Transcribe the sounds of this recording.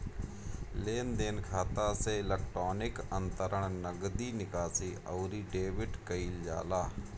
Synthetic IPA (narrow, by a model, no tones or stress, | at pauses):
leːnd̪eːnkʰaːt̪aseɪlək̚ʈɾoːnɪkə̃nt̪əɾəɳ̃nəɡd̪iːnɪkaːsiːʔəːɾiːɖeːʋɪɖkəiːld͡ʒa̰ːlaː